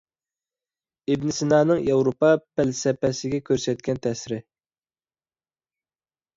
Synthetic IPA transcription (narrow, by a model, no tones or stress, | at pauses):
ɪbnɪsɪnɑːnɨŋjɑwɾopɑpɛlsɛpɛsɪɡʲɛkʲʰøɾsɛt̪̚kʲʰɛnt̪ʰɛsɪɾɪ